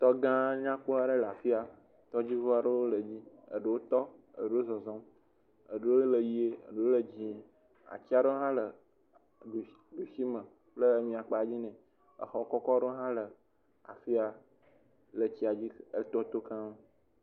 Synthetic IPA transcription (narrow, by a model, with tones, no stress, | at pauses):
t̪ɔ˦ɡã˦ɲã˦k͡po˦a˦ɖə˦la˨fi˦a˨ | t̪ɔ˦d͡ʑi˦vo˦a˨ɖə˦wo˦lə˨d͡ʑi˦ | ə̰˨ɖe˨wo˦t̪ɔ˦ə̰˨ɖe˦wo˦zɔ˨zɔ̃˦m | ə˨ɖe˦o˦lə˨ji˦e˦ə̰˨ɖe˨wo˦lə˨d͡ʑĩ˦˨ | a̰˨t͡ɕi˦a˦ɖə˦o˦ɦã˦lə˨ | ɖu˨ | ɖu˨ʃi˦mə̃˨ | k͡plə˦mĩ˨a˨k͡pa˨d͡ʑi˦nɛ̃˨ | ə̰˨xɔ˨kɔ˦kɔ˦ɖə˦ɦã˦lə˨ | a̰˨fi˦a˨ | lə˨t͡ɕi˦a˨d͡ʑi˦ə˦t̪ɔ˦t̪o˦kã˦mo˦